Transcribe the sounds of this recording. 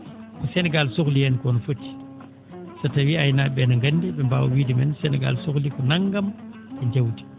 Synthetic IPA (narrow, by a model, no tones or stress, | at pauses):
kɔsɛnɛɡalsoklijɛnkɔnɔfotːi̥ | satawiajnaɓɛnaŋɡanːdiɓɛmba̰wa̰wiːdimɛnsɛnɛɡa̰lsoklikɔnaŋːɡam | ɓɛnd͡ʒewdi̥